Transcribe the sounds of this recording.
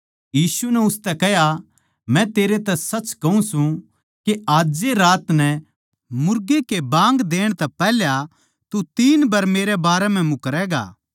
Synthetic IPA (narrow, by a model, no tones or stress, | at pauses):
jiːsunɛʊst̪ɛkɛɦja | mɛ̃t̪eːɾet̪ɛsɐt͡ʃkɐɦũsũ | keaːd͡ʒeɾaːt̪nɛ | mʊɾɡekebãːŋɡd̪eːɽ̃t̪ɛpɛɦlja | t̪ut̪iːnbɐɾmeːɾɛbaːɾɛm̤ɛ̃mʊkɾɛːɡa̰ː